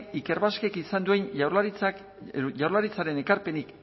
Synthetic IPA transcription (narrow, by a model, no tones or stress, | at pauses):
ike̞ɾβaske̞kisand̪ue̞nait͡s | ʝawɾlaɾit͡saɾe̞ne̞kaɾpe̞nik